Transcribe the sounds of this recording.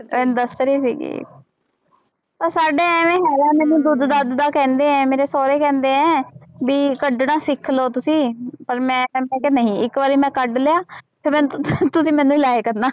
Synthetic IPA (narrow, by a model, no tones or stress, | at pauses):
mɛːd̪əsɾeːsḭːɡḭː | pəɾsaːɖeːɛːmẽːɦɛːɾɛːmɛ̃ːnũːd̪ʊd̪d̪ad̪d̪aːkɛ̃ːnd̪eːɛ̃ːmeːɾeːsɔːɾeːkɛ̃ːnd̪eːɛ̃ːbiːkəɖnãːsɪkʰːloːt̪ʊsĩːpəɾmɛ̃ːmɛ̃ːkenəɦĩːɪkʋaːɾiːmɛ̃ːkəɖleːaːpʰeːmɛ̃ːnt̪ʊsĩːmɛ̃ːnũːilaːeːkəɾnaː